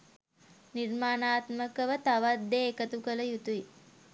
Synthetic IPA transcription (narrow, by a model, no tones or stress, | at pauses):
nirmaːnaːt̪məkəʋət̪aʋad̪ːeːkət̪ukələjut̪ui